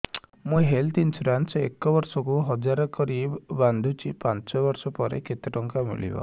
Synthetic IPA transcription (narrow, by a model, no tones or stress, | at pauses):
muɦelt̪insɾansekɔbɔɾsɔkuɦɔd͡ʒaɾɔkɔɾibband̪ʱut͡ʃipant͡ʃɔbɔɾsɔpɔɾḛket̪eʈɔŋkamḭɭḭbɔ̰